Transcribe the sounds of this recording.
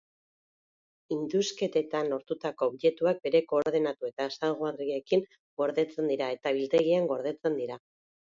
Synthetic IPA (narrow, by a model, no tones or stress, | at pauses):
ind̪uske̞t̪et̪anlo̞ɾt̪ut̪ako̞βʎe̞t̪uak̚be̞ɾe̞ko̞ːɾðenat̪ue̞t̪aesalɣoarie̞kiŋ | ɡo̞ɾðe̞t͡se̞nd̪iɾae̞t̪aβilt̪e̞ɣiaŋɡo̞ɾð̞e̞t͡se̞nd̪iɾa